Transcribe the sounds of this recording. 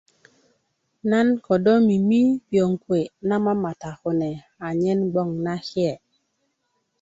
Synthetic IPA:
na˦nkɔ˨dɔ˦mi˨mi˦pjo˨ŋkwe˨na˦ma˦ma˨ta˨xo˨nɛ˨ | a˨ɲɛ˦nɡ͡bɔ˦˨ŋna˦xjɛ˨

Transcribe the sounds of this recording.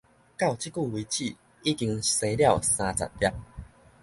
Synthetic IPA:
ka˥˨wt͡ɕi˦ku˥˨wi˧t͡ɕi˥˨ | i˦ki˧ŋse˧lja˥˨wsã˧t͡sa̰˨˩t̚lja˦˥p̚

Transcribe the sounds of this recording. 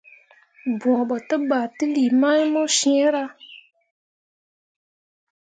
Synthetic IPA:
bɔ̃˨ɓɔ˨tə˦ɓa˨ti˦li˨ma˦jmɔ˦ʃi˦e˦ɾa˦

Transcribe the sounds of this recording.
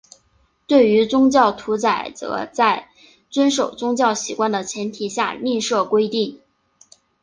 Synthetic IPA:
t̪we˥˩ɪy˧˥t͡sʊ˥ŋt͡ɕjɑ˥˩ʊt̪ʰu˧˥t͡sa˨˩ɪt͡sɤ̰˧˥t͡sa˥˩ɪ | t͡swə˥nʂo˨˩ʊt͡sʊ˥ŋt͡ɕjɑ˥˩ʊɕi˨˥kwa˥nd̪ə˨t͡ɕʰjɛ˧˥nt̪ʰi˨˩ɕja̰˥˩˧li˥˧nʂɤ˥˩kwe˥ɪt̪i˥˩ŋ

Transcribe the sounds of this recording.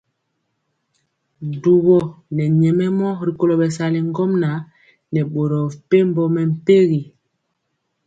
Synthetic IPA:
du˨βɔ˨nɛ˨ɲɛ˨mɛ˦mɔ˦ɾi˨ko˨lo˨ɓɛ˨sa˨li˨ŋ˦ɡɔ˦mna˨˦ | nɛ˨ɓo˨ɾɔ˨pe˦mbɔ˨mɛ˨m̩˨pe˦ɣi˨

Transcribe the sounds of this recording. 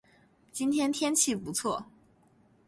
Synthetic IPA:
t͡ɕi˥nt̪ʰjɛ˥nt̪ʰjɛ˥nt͡ɕʰi˥˩pu˧˥t͡sʰwɔ˥˩

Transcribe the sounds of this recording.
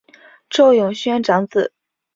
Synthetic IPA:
ʈ͡ʂo˥˩ʊjʊ˨˩ŋɕɥɛ˥nʈ͡ʂɑ˧˥ŋt͡sɹ̩˨˩˦

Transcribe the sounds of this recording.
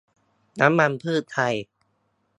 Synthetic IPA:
na˦˥mːa˧npʰɯː˥˩t̪ʰːa˧j

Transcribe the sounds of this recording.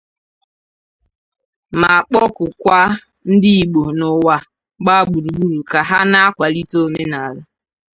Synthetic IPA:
ma˨k͡pɔ˦kʊ˨kʷa˦ | n̩˦dɪ˦i˨ɡ͡bo˨nʊ˨wa˨ | ɡ͡ba˦ɡ͡bu˨ɾu˨ɡ͡bu˦ɾu˨ka˨ɦa˦na˦a˦kʷa˨li˦to˦me˦na˨la˦

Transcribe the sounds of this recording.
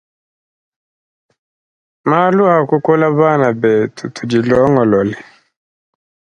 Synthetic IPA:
ma˦lu˦a˨ku˦kɔ˦la˦βa˦˨na˨bɛ˨tu˨tu˨d͡ʒi˨lɔ˦ŋɔ˨lɔ˨lɛ˨

